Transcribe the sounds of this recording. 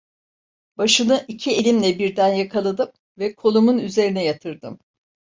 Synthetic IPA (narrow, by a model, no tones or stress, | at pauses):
b̥aʃɯnɯʔicʰie̞lʲimlʲɛbiɾd̪ænjakʰalˠad̪ɯm | vɛkʰo̞lˠumunyze̞ɾinɛjat̪ʰɯɾd̪ɯm